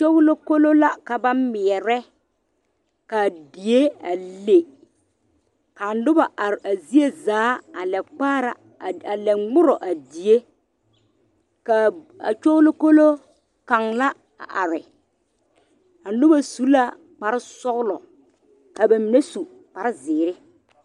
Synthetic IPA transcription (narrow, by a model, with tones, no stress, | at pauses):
t͡ʃo˦ɣlo˦ko˦lo˦la˦ka˨ba˦mɪ˨ɛ˨ɾɛ˦ | ka˨di˨je˦a˨le˨ | ka˨n˦dʊ˦ba˨ʔa˨ɾa˨zi˦e˦zaː˨˦a˨lɛ˨k͡paː˦ɾa̰˨ | a˨lɛ˨ŋ͡mʊ˦ɾɔ˨ʔa˨di˨je˦ | ka˨ | a̰˨t͡ʃʊ˦ɣlʊ˦ko˦lo˦ | ka˨ŋla˦ | a̰˨ʔa˨ɾɪ˨ | a˨n˦dʊ˦ba˨su˦la˦ | k͡pa˨ɾɪ˦sɔ˦ɣlɔ˨ | ka˨ba˨mi˨ne˦su˨ | k͡pa˨ɾɪ˦zɪː˨ɾɪ˦